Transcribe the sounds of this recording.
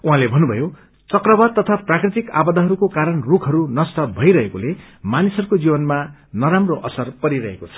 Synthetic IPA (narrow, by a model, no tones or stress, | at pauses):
uɦãlebʱʌnːubʱʌjo | t͡sʌkrʌbad̪̚t̪ʌt̪ʰaprakrit̪ika̰bʌd̪ʌɦʌɾukokaɾʌnrukʰɦʌɾunʌst̪ʌbʱʌjɾʌɦekole | manisʌɾukod͡zibʌnmanʌɾamroʔʌsʌrpʌɾiɾʌɦḛkot͡sʰʌ̥